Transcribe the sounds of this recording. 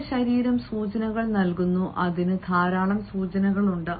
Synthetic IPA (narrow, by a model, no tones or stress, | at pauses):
ɕɐɾiːɾɐmsuːt͡ɕɐnɐɣɐɭnɐlkunːuʔɐðinɨd̪ʱaːɾaːɭɐmsuːt͡ɕɐnɐɣɐɭuɳɖɨ